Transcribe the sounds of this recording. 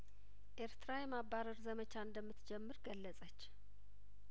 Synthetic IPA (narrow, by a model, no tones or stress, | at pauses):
ʔe̞ɾt̪ɾajɛmabaɾəɾzəmət͡ʃʰaɨnd̪əmːɨt̪d͡ʒɛmːɨɾɡəlːəsʼət͡ʃː